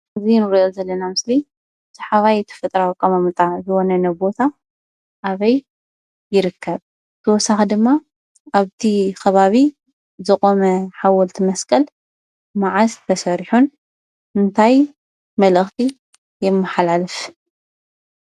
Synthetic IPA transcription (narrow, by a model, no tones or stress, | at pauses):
ɨzinɨɾʔozɐlːɐnamɨsli | zʰɐħaβajt̪ʰɐ̥fɨt̪ʼɾawkʼɐmamɨt̪ʼazɨwonɐnɐbo̞t̪ʰa | ʔaβɐj | jɪɾɨkʰːɐβ | t̪ʰɐwɔsːaxid̪ɨmːa | aβt̪ʰikʰɐβaβi | zɨxʼomɐħawɔlt̪ʰimɐskʼɐl | maʕast̪ʰɐsɐɾiħun | ɨnt̪ʰaj | mɐlɨxt̪ʰi | jɛmːaħalalɨf